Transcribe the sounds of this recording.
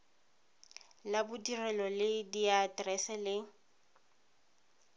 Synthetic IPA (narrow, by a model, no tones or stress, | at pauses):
labʊdirɛlɔlɪdiatrɛsɛlɪ